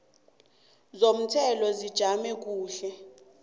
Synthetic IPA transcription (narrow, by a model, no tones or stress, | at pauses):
zom̩tʰɛlɔzid̥ʒ̥ʱamɛk̬uːɬɛ